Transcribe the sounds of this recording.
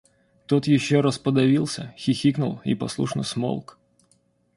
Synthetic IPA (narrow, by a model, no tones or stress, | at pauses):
t̪ot̪jɪɕːoɾɐspəd̪ɐvʲilˠsʲə̰xʲɪxʲiknʊlˠḭpɐ̰slˠṵʂnə̰smo̰lˠk